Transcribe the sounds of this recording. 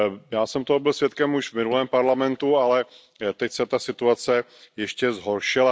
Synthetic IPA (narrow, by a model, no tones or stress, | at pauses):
jaːsɛmt̪oɦobɪlsʋjɛt̪̚kɛmuʒvmɪnulɛːmpaɾlamɛnt̪ualɛ | t̪ɛcsɛt̪asɪt̪uat͡sɛ | jɛʃcɛzɦo̞ɾʃɪla